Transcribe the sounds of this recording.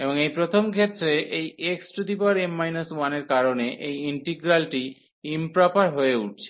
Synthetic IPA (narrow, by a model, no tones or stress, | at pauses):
eboŋejpɾot̪ʰomɡʱet̪ːɾeʔejeksɾut̪ipaɾemːajnaswaneɾkaɾoneʔejiɳʈiɡɾalʈi | impɾapaɾɦoeuʈ̚t͡ɕʰe̥